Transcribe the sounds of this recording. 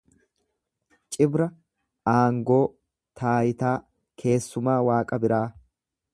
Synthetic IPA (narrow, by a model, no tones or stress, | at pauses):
t͡ʃʼɪbɾɐ | aːŋɡo̞ː | t̪ʰaːjɪt̪aː | kʰe̞ːsːʊmaːwaːkʼɐbɪɾaː